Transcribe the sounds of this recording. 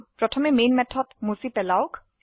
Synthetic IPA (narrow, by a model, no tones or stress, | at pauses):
pɹɔtʰɔmɛmenmɛtʰːɔtmusipɛlaʊk